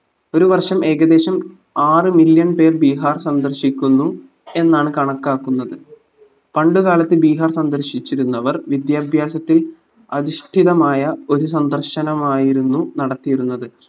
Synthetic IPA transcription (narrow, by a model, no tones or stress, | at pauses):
o̞ɾuʋɐrʂɐme̞ːɣɐd̪e̞ːɕɐm | aːrɨmiljɐɳpe̞ːrbiːɦaːrsɐnd̪ɐrɕikʲːunːu | e̞nːaːɳɨkɐɳɐkːaːkːunːɐðɨ | pɐɳɖuɣaːlɐt̪ːɨlbiːɦaːrsɐnd̪ɐrɕit͡ɕːiɾunːɐʋɐrʋid̪jaːbʱjaːsɐt̪ːil | ɐðiʂʈʰiðɐmaːjɐo̞ɾus̬ɐnd̪ɐrɕɐnɐmaːjiɾunːunɐɽɐt̪ːijiɾunːɐðɨ